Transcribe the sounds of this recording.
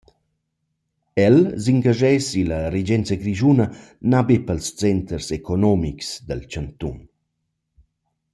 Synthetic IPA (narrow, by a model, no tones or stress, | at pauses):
ɛlsiŋɡaʒɛsiləɾed͡ʒɛnt͡səɡɾiʒunənabepəlst͡sɛnt̪ərsekonɔmiksd̪əlt͡ʃant̪ṵn